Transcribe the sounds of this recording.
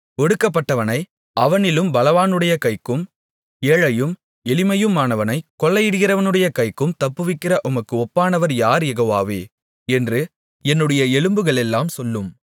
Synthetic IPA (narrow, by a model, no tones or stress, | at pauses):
ɔɽɯkːɐpːɐʈːɐʋɐnɐɪ | ʔɐʋɐnɪlɯmbɐlɐʋaːnɯɽɐjɐkɐɪkːɯm | eːɻɐjɯm | ɛlɪmɐjɯmaːnɐʋɐnɐɪkːɔlːɐjɪɽɯɣɪrɐʋɐnɯɽɐjɐkɐɪkːɯmt̪ɐpːɯʋɪkːɪrɐʔʊmɐkːɯɔpːaːnɐʋɐɾjaːɾjɛɣɐʋa̰ːʋḛː | ɛndrɯ | ɛnːɯɽɐjɐɛɭɯmbɯɣɐɭɛlːaːmsɔlːɯm